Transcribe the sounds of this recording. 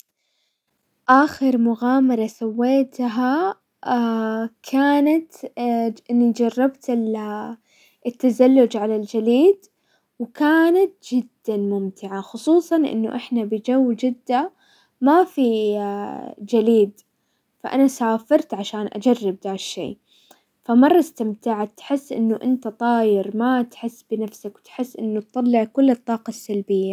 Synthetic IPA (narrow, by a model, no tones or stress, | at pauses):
ʔaːxɪɾmʊɣaːmɑɾˤɑsawːeːt̪ɦa | kʰaːnat̪ | ʔɪnːid͡ʒɑrˤːɑbt̪ɪl | ʔɪt̪ːazalːʊd͡ʒʕalald͡ʒaliːd̪ | wɪkaːnat̪̚d͡ʒɪd̪ːanmʊmt̪ɪʕaxʊsˤuːsˤɑnʔɪ̰nːʊʔɪħnabɪd͡ʒawːd͡ʒɪd̪ːa | mafi | d͡ʒaliːd̪ | faʔa̰nasaːfɪɾˤt̪ʕaʃaːnʔa̰d͡ʒarːɪb̚d̪aːʃːḛː | famɑrˤːɑst̪ɪmt̪aʕat̪ħɪsːʔɪ̰nːʊʔɪnt̪at̪ˤɑːjɪɾmat̪ħɪsːbɪnafsakwt̪ħɪsːʔɪnːʊt̪̚t̪ˤːɑlːɪʕkʊlːɨt̪ˤːɑːqɑsːalbɪjːa